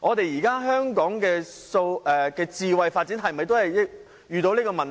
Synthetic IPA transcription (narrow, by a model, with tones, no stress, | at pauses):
ʔɔː˨˧t̪e˨jiː˨˩kaː˥ɦœː˥ŋkɔː˨˥ŋkɛː˧so˧wʔɛː˨˩kɛː˧t͡siː˨˧wɐ˨jfaː˧t̚t͡siː˨˥nɦɐ˨mɐ˨jt̪o˥whɐ˨jɪ˥k̚ | jyː˨˧t̪o˧wliː˥kɔː˧mɐ˨n